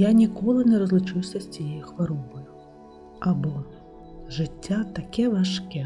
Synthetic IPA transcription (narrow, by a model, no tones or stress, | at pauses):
janʲikɔlˠɨnʲɛɾɐzlˠut͡ʂɨwsʲɐsʲt͡sʲijxvaɾɔvɐjʊ | abɔ | ʐɨtʲːat̪akʲɛvaʂkʲɛ